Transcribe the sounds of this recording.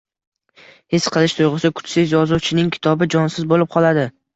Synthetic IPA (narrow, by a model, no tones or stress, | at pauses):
hesqʰɨlˠɪʃt̪ʰojʁɨsakʰʊ̥t͡ʃsɪzjɒzuwt͡ʃʰɪnɪŋkʲʰɪ̥t̪ʰɒbɪd͡ʒɒnsɪzbolɪp̚qʰɒlˠad̪ɪ